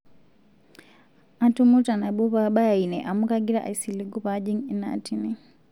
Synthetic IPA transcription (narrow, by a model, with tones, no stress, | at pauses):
a˦tu˦mu˦ta˨na˨ɓu˦pa˦ɓa˦˨i˨nɛ˨ʔa˨mu˦ka˦ɡi˦ɾa˦ʔa̰˨i˨si˨li˨ɡu˦pa˨˦d͡ʒi˦ŋi˦na̰˨ti˦nɛ˨